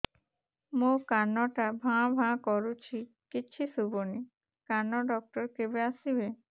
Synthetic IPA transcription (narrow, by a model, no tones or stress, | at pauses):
mokanːɔʈabʱãbʱãkɔɾut͡ɕʰi | kiːɕʰisuboni | kanːɔɖɔk̚ʈɔɾkebeasibe